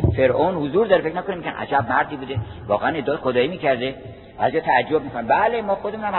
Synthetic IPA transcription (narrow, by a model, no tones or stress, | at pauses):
feɾʔonhozuːɾd̪ɒːɾefe̞kʰnækonemːiɟænʔæ̰d͡ʒæb̚mæɾd̪iːbuːd̪e | vɒ̰ːɣeæned̪ːt̪exod̪ɒːiːmiːcʰæɾd̪e | b̥æ̰ːzijɒːt̪ʰæːd͡ʒːob̚miːkʰonæmbælemɒːxod̪emunæm